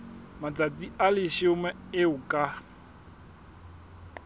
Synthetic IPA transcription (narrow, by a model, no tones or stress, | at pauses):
mat͡sʼat͡sʼialɪʃɪʊmɛɪʊkʼa